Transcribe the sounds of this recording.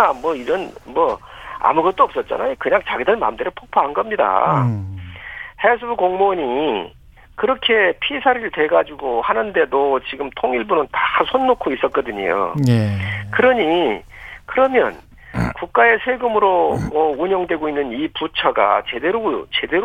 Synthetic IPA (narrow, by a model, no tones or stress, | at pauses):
amwʌiɾʌnmwʌa̰muɡʌt̚t͈oʌp̚s͈ʌt̚t͡ɕ͈a̰na̰jokɯɲaŋt͡ɕaɡideɭma̰mdeɾɯpʰok̚pʰoɦanɡʌmɲida̰ | hesʰɯbkoŋmoɲi | kɯɾʌkʰe̞pʰisʰaɾɯɭtwe̞ɡad͡ʑuɡohanɯnde̞dot͡ɕiɡɯmtʰoŋiɭbunɯntasʰonːokʰois͈ʌt̚k͈ʌdɯɲḭjo̰nekɯɾʌɲi | kɯɾʌmjʌ̰n | kuk̚k͈ae̞sʰeɡɯmɯɾomʌuɲʌŋdwe̞ɡoinːɯniput͡ɕʰʌɡa̰t͡ɕe̞de̞ɾot͡ɕe̞de̞ɾo